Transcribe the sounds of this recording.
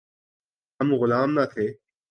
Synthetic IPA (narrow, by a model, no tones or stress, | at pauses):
ɐmɣʊlaːmnat̪ʰeː